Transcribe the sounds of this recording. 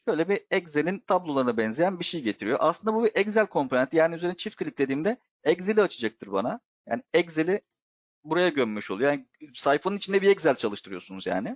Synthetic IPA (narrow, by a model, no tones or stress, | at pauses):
ʃø̞jlʲɛbiɛɟzelʲint̪ʰablˠo̞lˠaɾɯnabɛnzejænbiʃejiɟe̞t̪ʰiɾijo̞̰ʔa̰slɯnd̪abubiʔɛɟzælʲkʰo̞mpʰo̞ent̪ijaːniyzeɾit͡ʃʰifkʰlʲic̚d̪e̞d̪iːmd̪ɛ | ɛɟzelʲiat͡ʃʰɯd͡ʒak̚t̪ʰɯɾba̰na | ja̰ːniɛɟzelʲi | buɾajaɟømːyʃolˠujojaːnsajfanunit͡ʃʰind̪ɛbiɛɟzælʲt͡ʃʰalˠɯʃt̪ʰɯɾɯjo̞sunuzja̰ːnɪ